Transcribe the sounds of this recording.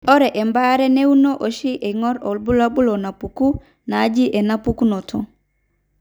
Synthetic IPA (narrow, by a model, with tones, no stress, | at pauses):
ɔ˦ɾɛ˨ʔɛ˨mba˦ɾɛ˦ne˦u˦no˦ʔo˨ʃi˦ʔe˨ŋɔ˦ɾɔ˨lbu˦la˦bu˦lo˨na˨pu˨ku˦ | naː˨˦d͡ʒi˦ʔɛ˨na˦pu˦ku˦no˨tʰɔ˦